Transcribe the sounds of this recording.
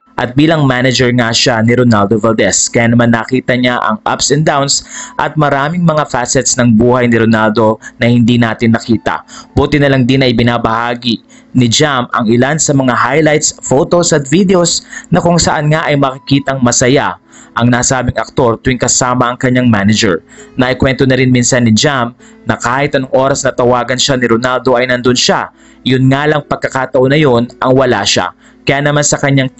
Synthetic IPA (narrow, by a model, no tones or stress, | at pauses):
ʔɐt̪̚biːlɐŋmanɐd͡ʒɛɹŋaʃanɪɾonald̪ovɛld̪ɛskɐjaːnɐmanːɐkiːt̪ɐɲaʔɐ̰ŋʔa̰psɛnd̪awnsʔɐt̪̚mɐɾaːmɪŋmɐŋafasɛt̪snɐŋbuːhɐjnɪɾonald̪o̞nɐhɪnd̪inaːt̪ɪnɐkiːt̪ɐ̰buːt̪ɪnɐlɐŋd̪ɪnɐʔɪbɪnabɐhaːɡi | nɪd͡ʒamɐ̰ŋɪlansɐmɐŋahajlajt̪sfot̪osɐt̪̚vid̪ɛosnɐkʊŋsɐʔanŋaʔɐjmɐkɪkiːt̪ɐŋmɐsɐja | ʔɐŋnaːsaːbɪŋɐk̚t̪o̞ɾt̪ʊwɪŋkɐsaːmɐʔɐŋkɐɲːaŋmanɐd͡ʒɛ̰ɹnɐʔɪkwɛnt̪o̞nɐɾɪnminsanːɪd͡ʒam | nɐkaːhɪt̪ɐnoŋʔo̞ːɾɐsnɐt̪ɐwaːɡɐnʃanɪɾonald̪o̞ʔɐjnɐnd̪onʃa | jʊnŋaːlɐŋpɐɡ̚kːɐkat̪ɐʔo̞nɐjonʔɐŋwɐla̰ʃa̰ | kɐjaːnɐmansɐkɐɲːaŋ